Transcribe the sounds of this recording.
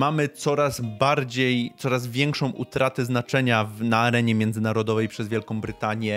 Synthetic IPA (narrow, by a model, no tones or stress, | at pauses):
mamɘt̪sɔɾazbaɾd͡ʑejt̪sɔɾazvʲjɛŋkʂɔ̃w̃ʔut̪ɾat̪ɛznat͡ʂɛɲavnaːɾɛɲɛmʲjɛnd̪zɘnaɾɔd̪ɔvɛjpʂɛzvʲjɛlkɔ̃w̃bɾɘt̪aɲjɛ